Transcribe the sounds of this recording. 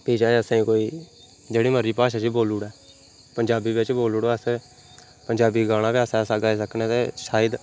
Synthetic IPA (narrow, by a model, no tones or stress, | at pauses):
piːd͡ʒaːeəsãːĩːkoːiː | d͡ʒeːɽiːməɾiːpaːʃaːt͡ʃiːboːluːɽɛː | pəɲd͡ʒaːbiːbet͡ʃboːluːɽoəs | pəɲd͡ʒaːbiːɡaːɽ̃aːpjaːsɛːsaːɡaːisəkneːt̪eːʃaːəd̪